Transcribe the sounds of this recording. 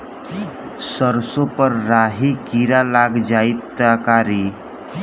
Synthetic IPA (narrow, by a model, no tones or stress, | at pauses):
səɾsopəɾːɾaɦikiɾalaɡd͡ʒait̪ːakaɾi